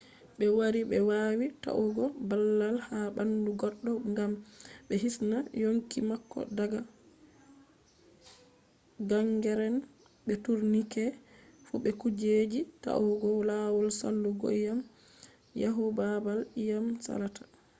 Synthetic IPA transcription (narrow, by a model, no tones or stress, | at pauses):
ɓɛwaɾibɛwawita̰ʔuɡɔbalːalhabanduɡɔɗːɔŋɡamɓɛɦisnajoŋkimakːɔ̰daɡa | ɡaŋɡɛɾɛn | ɓɛtuɾnikɛfṵɓɛkud͡ʒed͡ʒita̰ʔuɡɔlawɔlsa̰lːuɡo̰jjam | jaɦubabalijamsa̰ɾatḁ